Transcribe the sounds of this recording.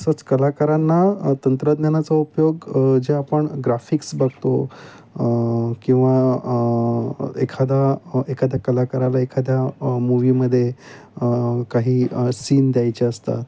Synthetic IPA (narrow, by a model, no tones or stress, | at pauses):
sət͡skəlakaɾanːat̪ənt̪ɾəd̪njanat͡saupjoɡd͡ʑeapəɳɡɾafiksbaɡ̚t̪o | kĩw̃ʋa | ḛkʰad̪jaekʰad̪ʱjakəlakəɾalaekʰad̪ʱjamuʋiməd̪ʱːje | kaɦiːsiːnd̪jajt͡ɕaəst̪a̰t̪